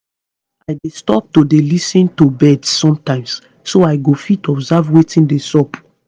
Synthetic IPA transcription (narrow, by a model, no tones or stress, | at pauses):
ajdestɔp̚todelisĩntobɛdsːɔ̃mtãɪ̃msː | oaɪɡofitɔbzavwetĩndesɔp